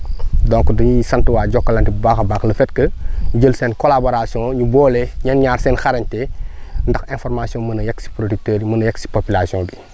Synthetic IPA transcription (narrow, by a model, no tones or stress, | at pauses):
dɔ̃ŋkdɐɲisɐntuwaːɟɔkːɐlɐntibaxɐbaːxləfɛt̚kəɲɟəlsɛːnkolaboɾasjɔ̃ŋɲubɔːlɛɲɐnɲaːɾsɛːnxaɾɐɲtɛndɐxɛ̃nfɔrmasijɔ̃ŋmənɐjɛksi̥pɾodyk̚tɛːɾimənɐjɛksi̥popilasiɔ̃bi